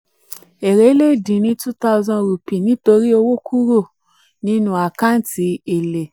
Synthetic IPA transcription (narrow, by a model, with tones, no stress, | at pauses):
e˨ɾe˨˦le˦˨dĩ˨nĩ˧˦tu˦ta˦˧zɔ̃˧ɾu˨pi˨nĩ˨˦to˧ɾi˦o˧wo˦kʰu˦ɾo˦˨ | nĩ˧nũ˦a˨kã˦n̩˦ti˧e˨le˨